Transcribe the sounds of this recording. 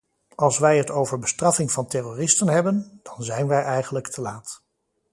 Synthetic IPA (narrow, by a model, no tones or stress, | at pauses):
ɑlˠsʋɛjɦətowvəɹbəstrɑfɪŋvɑntɛroːrɪstənɦɛbənd̥ɑnzɛjnʋɛjʔɛjχənləktʰəlaːt